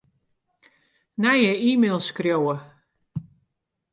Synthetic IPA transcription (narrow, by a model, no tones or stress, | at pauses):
najəiːmeːlˠskrjowə